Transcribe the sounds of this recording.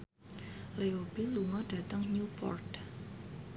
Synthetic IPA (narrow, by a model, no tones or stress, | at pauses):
leobiluŋɔɖ̥ä̤t̪əŋɲupɔ̰rt̪